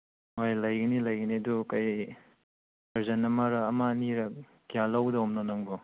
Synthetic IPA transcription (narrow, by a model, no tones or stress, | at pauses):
mojlɐjɡɐnilɐjɡɐniɐdukaj | ɐɾzɐnːɐmaɾɐːmaniɾɐ | kijalawdɐɔmnɔnɐŋɡo